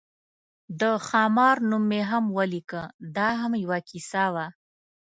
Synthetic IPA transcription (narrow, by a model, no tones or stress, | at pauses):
d̪əxɑmɑɾnumːeɦamwalikəd̪ɑɦamjawakisawa